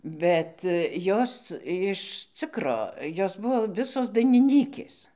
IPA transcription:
ˈbʲɛt ˈjoːs jɪʃ ˈt͡sʲɪkroː ˈjoːs ˈbʊʋoː ˈʋʲɪsoːs dɐɪnʲɪˈnʲiːkʲeːs

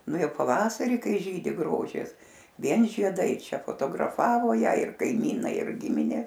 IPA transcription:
ˈnʊ ˈjɛʊ pɐˈʋɑːsɐrʲiː ˈkɐɪ ˈʒʲiːdʲɪ ˈɡroːʒʲɪs ˈʋʲiɛn ʒʲiɛˈdɐɪ ˈt͡ʃʲɛ foːtoːɡrɐˈfɑːʋoː ˈjæː ɪr kɐɪˈmʲiːnɐɪ ɪr ˈɡʲɪmʲɪnʲeː

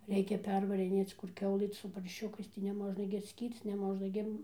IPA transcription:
ˈrʲɛɪkʲɛ ˈpʲɛrʋɐrʲɪnʲeːt͡s kʊr ˈkʲɛʊlˠɨ sʊ pɐrʲˈʃʲʊkɐɪs tɐɪ nʲɛˈmoːʒnɐ ɡʲɪ ɐtʲˈsʲkʲiːrt͡s nʲɛˈmoːʒnɐ ɡʲɪ

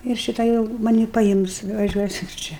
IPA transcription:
ɪr ˈʃʲɪtɐ jɛʊ mɐˈnʲiː pɐˈɪms ʋɐʒʲuɔˈsʲɪm ˈt͡ʃʲɛ

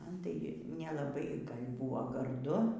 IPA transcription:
ˈmɐn tɐɪ nʲɛlˠɐˈbɐɪ ˈɡɐlʲ ˈbʊʋoː ɡɐrˈdʊ

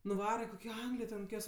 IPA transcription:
nʊˈʋɑːrɐ koːkʲoː ˈɐŋɡlʲɪjoː tʲɛn koːˈkʲoːs

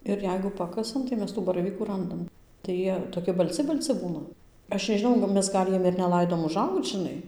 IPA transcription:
ɪr ˈjɛɪɡʊ ˈpɑːkɐsɐm tɐɪ ˈmʲɛs ˈtuː bɐrɐˈʋʲiːkuː ˈrɐndɐm tɐɪ ˈjiɛ toːˈkʲɪ bɐlʲˈt͡sʲɪ bɐlʲˈt͡sʲɪ ˈbuːnɐ ˈɐʃ nʲɛʒʲɪˈnɐʊ nʊ ˈmʲɛs ˈɡɐlʲ ˈjiɛm ɪr nʲɛˈlˠɐɪdoːm ʊˈʒɐʊkt͡s ʒʲɪˈnɐɪ

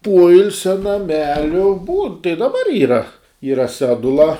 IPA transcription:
ˈpoːɪlʲsʲɛ nɐˈmʲæːlʲʊ buːn tɐɪ dɐˈbɐr ˈiːrɐ ˈiːrɐ ˈsʲæːdʊlˠɐ

